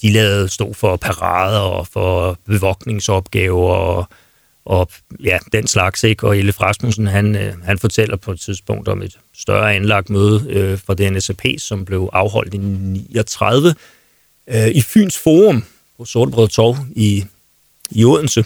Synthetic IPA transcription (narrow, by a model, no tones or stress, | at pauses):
d̥ilɛːð̩ˠsd̥o̰ːfɒ̽pʰɑʁɑ̰̈ːð̞ˠɐɒfɒb̥e̝ʋɒ̽ɡ̥ne̝ŋsɒ̽b̥̚ɡ̥ɛːʊɐ | ʔɒ̽jæd̥enslɑ̈ɡ̥seɡ̥ɒe̝ləfʁɑsmusn̩ɦænhænfɒt͡sʰel̰ɐpʰɒ̽ed̥t͡sʰiðˠsb̥ɔ̽ŋ̰d̥ɒ̽me̝d̥ | sd̥ɶ̰ɐænlɑ̈ɡ̥d̥møːð̞ˠfʁɑ̈d̥e̝enesæpʰe̝̰ːsɒ̽mb̥le̝ʊʔɑ̈ʊɦɒ̽l̰d̥iniːɒt͡sʰʁað̞ˠʋə | ify̰ːnsfo̝ːʁɔm | pʰɒ̽soɐd̥əb̥ʁɛðˠt͡sʰɒʊi | iɔð̰ˠn̩sə